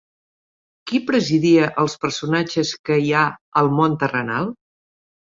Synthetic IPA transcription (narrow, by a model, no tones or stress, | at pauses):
kipɾəziðiəʔəlˠspəɾsunat͡ʃəskəiaəlˠmont̪ərənalˠ